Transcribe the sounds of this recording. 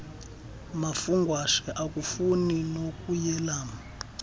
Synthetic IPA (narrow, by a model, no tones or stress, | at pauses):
mafuŋɡʱwaʃɛʔak̬ʼufuninok̬ʼujɛlaːma